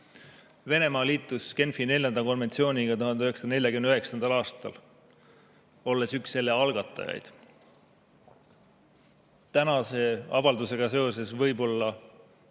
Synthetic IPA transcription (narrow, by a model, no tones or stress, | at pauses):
ve̞ne̞mɑːliːt̪ːˑuske̞nfinelʲjɑnd̪ɑko̞nve̞nt̪sio̞ːnʲiɡ̥ɑt̪uɦhɑnd̪eyɦeksne̞lʲjɑkymenyɦe̞ksɑnd̪̥ɑlɑːst̪ɑ̰l | o̞lːe̞syksːelːeɑlɡ̥ɑt̪ːˑɑ̰jɑ̰jd̪̥ | t̪ænɑse̞ɑ̰vɑld̪use̞ɡ̥ɑse̞o̞se̞svɤjbo̞lːɑ